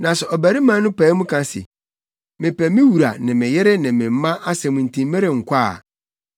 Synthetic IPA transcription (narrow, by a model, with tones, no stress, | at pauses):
nã˨sʊ˨ʔɔ˨bæ˨ɾi˦mã˦nʊ̃˦pʰɛ˨˦mũ˦kʰã˨sɪ̰˨ | mɪ̃˨pɛ˨mɪ̃˦wu˨ɾa˨nɪ̃˨mɪ̃˨jɛ˦ɾɪ˦nɪ̃˨mɪ̃˨m̩˦mã˦ʔa˦sɛ˨mʊ̃˨n̩˨tʰĩ˨m˦mɛ˦ɾɪ˨ŋ̩˨kʷʰa˦˨